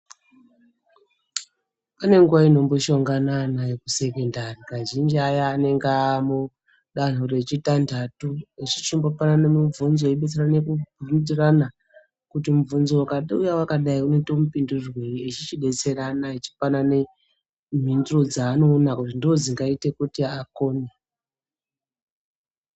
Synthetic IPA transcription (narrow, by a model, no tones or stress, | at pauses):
pane̞ŋɡuʋaino̞mboʃo̞ŋɡananajekuse̞kendarikaʒind͡ʒiajaːne̞ŋɡamu | ɗan̤uɾe̞t͡ʃitandʱatuet͡ʃit͡ʃimbopananemuvunzoeiɓet͡seranekuundirana | kutimuvunzowakaɗujawakaɗaiuneto̞mupindurweriet͡ʃit͡ʃiɗe̞t͡se̞ɾanait͡ʃi̥panane | m̤induro̞d͡zaːno̞ːnakutindoziŋɡaite̞kutiakoːne